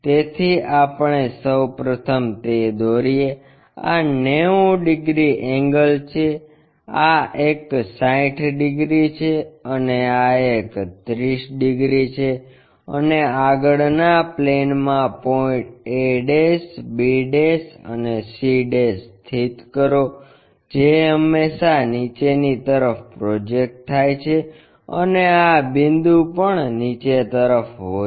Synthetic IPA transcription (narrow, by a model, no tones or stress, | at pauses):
t̪et̪ʰiapɳesəwpɾət̪ʰəmt̪ed̪oɾie | a̰neũɖɪɡɾiʔɛ̃ŋɡəlt͡ʃʰe | aeksãĩʈʰɖiɡɾit͡ʃʰeəneaekt̪ɾiʃɖiɡɾit͡ʃʰe | ə̰neaɡəɭnaplenmãpɔĩʈeɖesbeɖesə̰nesiɖest̪ʰit̪kəɾo | d͡ʒeəmːesanit͡ʃenit̪əɾəfpɾɔd͡ʒek̚ʈ̚t̪ʰːajt͡ʃʰe | ə̰neabind̪ũpəɳnit͡ʃet̪əɾəfɦo